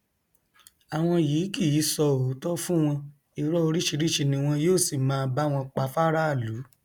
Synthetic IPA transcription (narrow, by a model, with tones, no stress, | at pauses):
a˨w̃ɔ̃˧jiː˨˦ki˦˨ji˨˦sɔ˧o˨˦tɔ˦fũ˦w̃ɔ̃˧ | i˨ɾɔ˦o˧ɾi˦ʃi˧ɾi˦ʃi˧nĩ˧w̃ɔ̃˧joː˦˨si˨mãː˧ba˦˨w̃ɔ̃˧k͡pa˨˦fa˦ɾa˦a˦˨lu˨˦